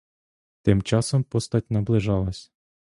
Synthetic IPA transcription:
t̪ɪmt͡ʃɑsompost̪ɑt̚ʲnɐblˠɪʒɑlˠɑsʲ

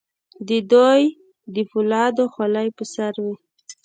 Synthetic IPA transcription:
d̪əd̪oj | d̪əfʊlɑd̪oxalajpəsaɾwi

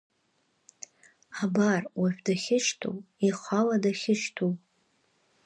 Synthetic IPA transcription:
abarwaħᶣdaχʲɪʃtʰṵwiχʷaladaχʲɪʂtʰuw

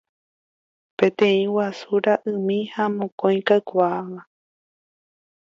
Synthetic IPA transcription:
pẽ̞t̪ẽ̞ĩwasuɾaʔɨ̃mĩhamõkõj̃kaɨkʷaːʋa

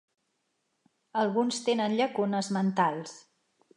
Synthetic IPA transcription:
əlˠɣunst̪enənʎəkunəzmənt̪alˠs

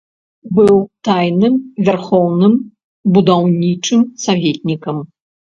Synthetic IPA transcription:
bɨwt̪ajnɨmvʲarxɔwnɨm | bud̪awnʲit͡ʂɨmsavʲet̪̚ʲnʲikɐm

